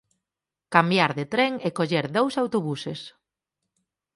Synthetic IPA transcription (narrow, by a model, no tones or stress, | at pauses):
kambjaɾðet̪ɾɛŋekoʎeɾðowsawt̪oβuses